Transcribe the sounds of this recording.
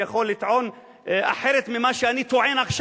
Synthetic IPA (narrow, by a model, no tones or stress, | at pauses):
jaχo̞lːit̪ʕo̞n | a̰ħeɾet̪mimaʃeanit̪oʕenaχʃ